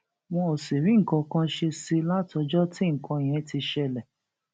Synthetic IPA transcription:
w̃ɔ̃˧o˨si˨ɾĩ˨˦ŋ̩˨kã˧kã˧ʃe˧si˧la˦˨tɔ˧d͡ʒɔ˦ti˦ŋ̩˨kʰã˧˨j̃ɛ̃˨˧˦ti˧ʃɛ˧lɛ˨

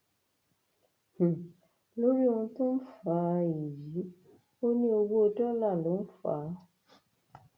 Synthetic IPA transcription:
h̩˨ | lo˦ɾi˦wũ˧tũ˦n̩˦faː˨˦i˨ji˨˦ | o˦nĩ˧˦o˧ɡo˦o˧dɔ˦la˦˨lo˨˦n̩˦fa̰ː˨˦

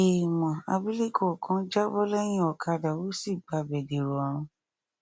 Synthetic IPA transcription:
e˨mã˨a̰˧bi˦li˦kɔ˦˨kʰɔ̃˨˦d͡ʒa˦bɔ˦lɛ˦j̃ĩ˦ɔ˨kʰa˧da˨wo˨˦si˦˨ɡ͡ba˧˨bɛ˨de˨ɾo˨ɔ˨ɾ̃ũ˧

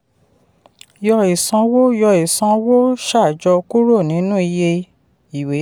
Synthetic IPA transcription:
jɔ˧i˨sã˧wo˦jɔ˧i˨sã˧wo˦ʃa˦˨d͡ʒɔ˧ku˦ɾo˦˨nĩ˨˦nũ˦i˧je˧ | i˨we˨˦

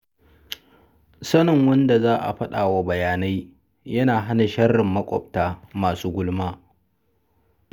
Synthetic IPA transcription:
sɐ˦nɪ˨ŋwɐ˦nda˨zaː˦ʔa̰˨ɸɐ˦ɗa̰ː˨wa˦bɐ˨jaː˨na˦j | jɐ˦naː˨ɦa˦na˨ʃɐ˦rːɪ˨mːɐ˦kʷʼɔ̰˨p̚taː˦maː˨suː˦ɡʷʊ˦lmaː˦

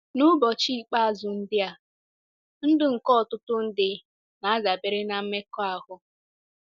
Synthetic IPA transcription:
nʊ˦bɔ˨t͡ʃi˦k͡pa˦a˨zʊ˨n̩˦dɪ˦a˨ | n̩˦dʊ˦ŋ̩˨kɔ˦˨tʊ˦tʊ˦n̩˦dɪ˨ | na˨a˦za˨bɪ˨ɾɪ˦na˨m̩˦me˦kɔ˦a˨ɦʊ˨˦

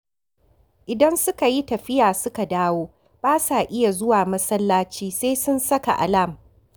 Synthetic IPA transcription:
ʔɪ˨dɐ˦nsʊ˦ka˨ji˦tɐ˨ɸɪ˦jaː˨sʊ˦ka˨daː˦woː˦ | b̥aː˦saː˨ʔɪ˦ja˨zʊ˦waː˨mɐ˦sɐ˦lːaː˦t͡ʃiː˦seː˦sʊ˦nsɐ˦ka˨ʔa̰˨la˦˨m

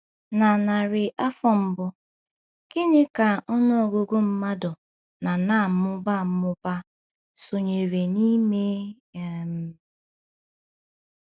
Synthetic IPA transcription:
na˨na˨ɾɪ˨ʔa˦fɔ˦m̩˨bʊ˦ | kɪ˦nɪ˦ka˨ɔ˦nʊ˦ɔ˨ɡo˦ɡo˦m̩˦ma˦dʊ˨ | na˨na˦˨˦mʊ˦ba˦˨m̩˦mʊ˦ba˦ | so˨ɲe˨ɾe˨ni˦me˦ | e˨m̩˦

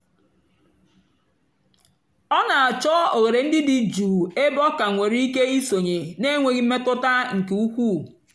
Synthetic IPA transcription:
ɔ˦na˨a˨t͡ʃɔ˦o˨ɣe˨ɾe˨n̩˦dɪ˦dɪ˨d͡ʒuː˨e˦bɔ˦ka˨ŋʷe˨ɾi˦i˦ke˦i˦so˨ɲe˨ne˦ŋʷe˨ɣi˦m̩˦me˦tʊ˦ta˦ŋ̩˨ke˨u˦kʷu˦˨

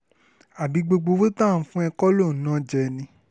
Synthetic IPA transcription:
a˨bi˨˦ɡ͡bo˧ɡ͡bo˧wo˦tã˦˨˦fũ˦ɛ˧kɔ˦lo˦˨nã˦d͡ʒɛ˨nĩ˧˦

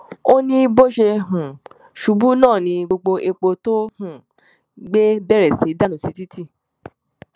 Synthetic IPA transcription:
o˦nĩ˧bo˦ʃe˧ɦũ˨ | ʃu˨˦bu˦nãː˦˨nĩ˧ɡ͡bo˧ɡ͡bo˧ʔe˧k͡po˧to˦hũ˦˨ | ɡ͡be˦bɛ˦˨ɾɛ˨si˨˦da˦nũ˨si˨˧˦ti˦ti˦˨

